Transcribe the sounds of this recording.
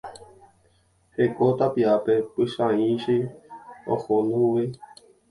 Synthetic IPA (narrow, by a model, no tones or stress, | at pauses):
hekot̪apiapepɨʃãĩʃi | o̰hũnũwi